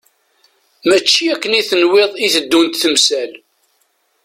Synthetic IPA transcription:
mæt͡ʃːiækːəniθənweðˤiθəd̪ːunt̪θəmsæl

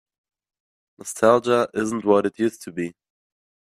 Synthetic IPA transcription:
nəstʰalˠd͡ʒəʔɪz̃n̩ʔwʌɾɨtʰjʉstʰəbi

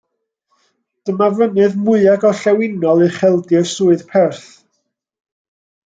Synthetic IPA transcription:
d̥əmavənɨðmʊɨaɡɔɬɛwɪnɔlˠiχɛlˠdɨsuːɨðpʰɛrθ

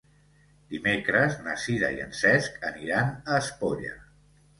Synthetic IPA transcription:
d̪̥imekɾəznəsiðə̰iə̰nsɛskəniɾanəːspoʎə̰

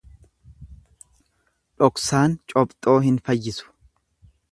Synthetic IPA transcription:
ᶑɔksaːnt͡ʃʼɔbt̪ʼo̞ːɦɪnfɐjːɪsʊ̥

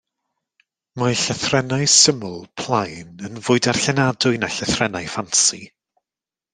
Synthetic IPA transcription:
majɬaθrɛnaɨsəmʊlˠpʰlˠajnənvʊːɨdar̥ɬɛnadʊɨnaɬɛθrɛnajfansḭ

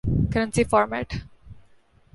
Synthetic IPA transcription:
kəɾə̃nsifɔːɾmæ̰ʈ

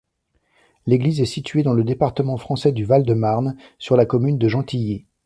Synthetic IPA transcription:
leɡlizɛsit̪ɥed̪ɑ̃ləd̪epaʁt̪əmɑ̃fχɑ̃sɛd̪yvald̪əmaʁnsyʁlakɔmynd̪əʒɑ̃t̪ije

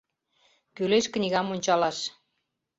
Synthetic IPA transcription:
kyleʃknʲiɣɑmonʲt͡ɕɑlɑʃ

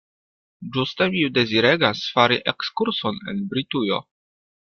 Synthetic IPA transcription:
d͡ʒustemide̞ziɾe̞ɡasfaɾiʔe̞kskuɾso̞ne̞̰nbɾitujo̞̰

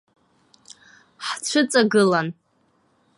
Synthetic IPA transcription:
ħt͡ɕʷʰɨt͡sʼaɡɨlan

